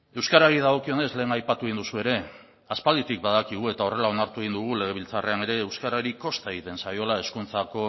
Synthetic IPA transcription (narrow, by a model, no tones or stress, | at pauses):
e̞wskaɾaɾið̞aɣ̞o̞kio̞ne̞sle̞ːŋajpat̪uind̪usue̞ɾe̞ | aspald̪it̪ik̚baðakiɣ̞ue̞t̪ao̞re̞lao̞naɾt̪uɣind̪uɣ̞ule̞ɣ̞e̞β̞ilt͡sare̞ane̞ɾe̞ːwskaɾaɾiko̞st̪aeɣit̪e̞nsajo̞lae̞skunt͡sako̞